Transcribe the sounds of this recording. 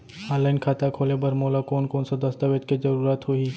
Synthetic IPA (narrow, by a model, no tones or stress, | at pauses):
aːlaːɪnkʰaːt̪akʰoːlebɐɾmoːlakoːnkoːnsad̪ɐst̪aʋeːd͡ʒ̪kizɐɾuːɾaːt̪ɦoi